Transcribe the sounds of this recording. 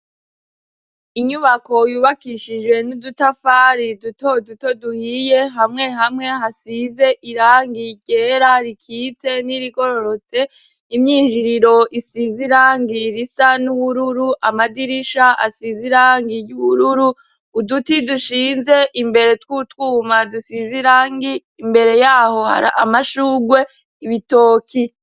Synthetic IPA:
iɲuβako̞juːβakiʃid͡ʒwe̞nudutafaːɾidutoduto̞duhije̞ɦamŋe̞ɦamŋe̞ɦasize̞ʔiɾaːŋɡiɟe̞ːɾaɾikʰiːt͡se̞niɾiɡo̞ɾo̞ɾo̞t͡se̞ | imɲiːnʒiɾiɾo̞ʔisiziɾaːŋɡiɾisanuβuɾuɾuʔamadiɾiʃaʔa̰siziɾaːŋɡiɾjuβuɾuɾuː | dutiduʃiːnze̞ʔimbe̞ɾe̞twuːtwuːmadusiziɾaːŋɡiː | mbe̞ɾe̞jaːho̞ha̰ɾa̰ʔamaʃuːɡwe̞ | iβito̞ːkʰi

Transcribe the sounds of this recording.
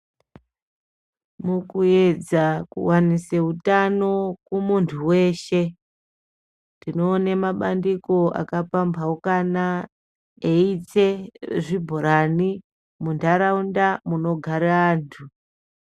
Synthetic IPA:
mukued͡zakṵwaniseutano̞kumuntʰuwe̞ːʃe̞ | ndino̞ːnemaɓandikoa̰kapambaukana | eit͡seʐibʱoɾani | mundaɾaundamuno̞ɡʱaɾaaːntʰu

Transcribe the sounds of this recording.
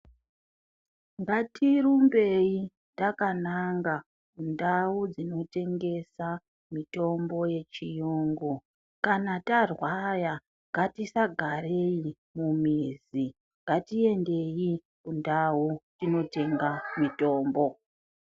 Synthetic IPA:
ŋɡatʰiɾumbe̞ji | takanaŋɡa | kundawud͡zino̞te̞ŋɡe̞sa | mito̞mbo̞je̞t͡ʃijuːŋɡu | kanatarwaja | ŋɡatisaɡʱaɾe̞i | mumiːzi | ŋɡatie̞nde̞ji | kundautino̞te̞ŋɡamito̞ːmbo̞

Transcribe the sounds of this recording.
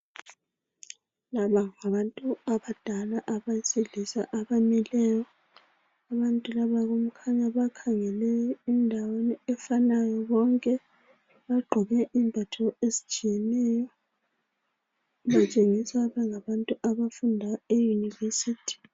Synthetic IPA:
laβaŋaβantʼuaβad̥ʱalaʔaβaseɮisa̰ʔaβamɛlɛjɔ | aβantʼulaβaɣum̩kʰaɲaβakʰaŋɛlɛindʱaweniɛfanajɔβɔŋkʼɛ | βaɡ͡ǃʱɔβɛʔimbʱatʰɔezit͡ʃʼijɛnɛjɔ | βat͡ʃʼeŋisaβɛŋaβantʼuʔaβafundʱaejunivesiːtʰi̥

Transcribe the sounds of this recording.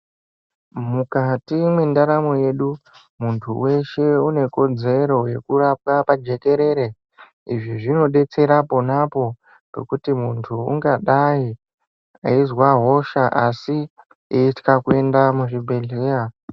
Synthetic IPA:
mukatimwe̞ndaɾamo̞je̞ɗu | muntʰuwe̞ʃe̞une̞ko̞d͡ze̞ɾo̞je̞kurap̚wapad͡ʒe̞ke̞ɾe̞ɾe̞ | iʐiʐino̞ɗe̞t͡se̞ɾapo̞napo̞ | rḛkutimuntʰuṵŋɡaɗai | a̰izwaɦo̞ʃaʔasi | eitkakue̞ndamuʐibʱe̞ɮeːja

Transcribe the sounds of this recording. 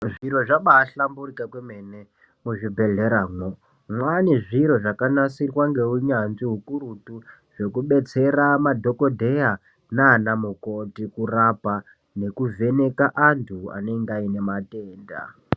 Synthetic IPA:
ʐiɾo̞ʐaɓaːɬamburikakwemene | muʐibʱe̞ɮeɾaːŋwo | mwaniʐiɾo̞ʐakanasirwaŋɡe̞uɲanʐiɦukuɾutu | ʐ̥e̞kuɓe̞t͡se̞ramadʱo̞ko̞dʱe̞ja | nanamukotikurapa | ne̞kuvʱe̞ne̞kaʔantʰua̰neŋɡaine̞mateːnda̰

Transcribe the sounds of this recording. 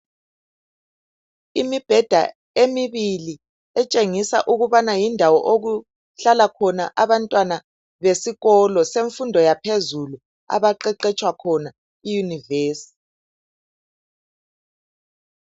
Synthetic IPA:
imib̥ʱɛd̥ʱa̰ | emiβili | ɛt͡ʃʼeŋisa̰ʔuɣuβanajindʱawɔ̰ʔoɣu | ɬalakʰɔna̰ʔaβantʼwana | βesiɣɔlɔseɱfundʱɔjapʰezulu | a̰βaǃɛǃɛt͡ʃʼwakʰɔna | ijuniveːsi̥

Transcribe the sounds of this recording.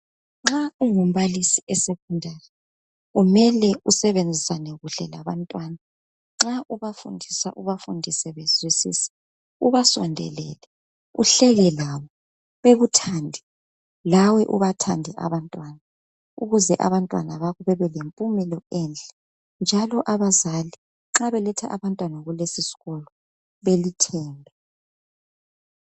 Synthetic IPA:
ŋ͡ǁauŋum̩βalisiʔɛsekʰundʱarɛ | ɣumɛlɛusɛβend͡zʱisanɛɣuɬɛlaβantʼwana | ŋ͡ǁaʔuβafṵndʱisa̰ʔuβafundʱisɛβezwisḭːsɛ̥ | uβasɔ̰ndʱɛ̰lɛ̰lɛ | uɬɛɣɛlawɔ | βeɣutʰandʱɛ | lawɛʔuβatʰandʱɛʔa̰βantʼwana | uɣuzɛʔa̰βantʼwa̰naβaɣɔβɛβɛlempʼumɛlɔɛnd͡ɮʱʼɛ̥ | nd͡ʒʱalɔʔaβazali | ŋ͡ǁaβɛlɛtʰɛʔaβantʼwanaɣulesisi̥ɣɔlɔ | βelitʰɛːmbʱɛ

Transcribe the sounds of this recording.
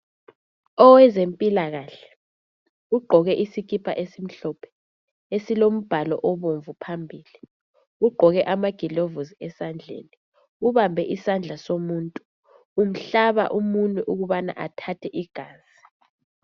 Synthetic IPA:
ɔwɛzempʼilaɣaɬɛ̥ | uɡ͡ǃʱɔɣɛʔisik̬ipʰa̰ʔesim̩ɬɔːpʰɛ̥ | esilom̩b̥ʱalɔ̰ʔɔβoɱvupʰambʱiːli | uɡ͡ǃʱɔɣɛʔamaɡ̥ʱilovuziɛsand͡ɮʱḛːni | uβambʱɛʔisand͡ɮʱasomuːntʼuː | m̩ɬaβa̰ʔumunʼuʔuɣuβana̰ʔatʰatʰɛʔiɡ̥ʱaːzi

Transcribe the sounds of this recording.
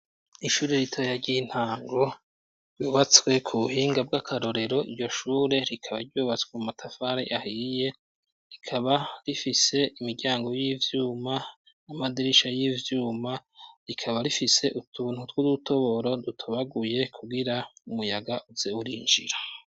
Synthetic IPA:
iʃuːɾeɾitʰojaɾɟin̥haːŋɡo̞ | ɾjuːβat͡swe̞kʰuβuhiːŋɡab̚ɡakʰaɾo̞ɾe̞ɾo̞iɾɟo̞ʃuːɾe̞ɾikʰaβaɾɟuːβat͡swemumatʰafaɾḭʔahije̞ | ɾikʰaβaɾifise̞imiɡɟaːŋɡo̞jiːvjuːma | namadiɾiʃajiːvjuːmaɾikʰaβaɾifise̞ʔutʰun̥hutwuduto̞βo̞ɾo̞dutʰoβaɡuje̞kʰuɡiɾaumujaɡaʔuzeuɾiːnd͡ʒḭɾḁ

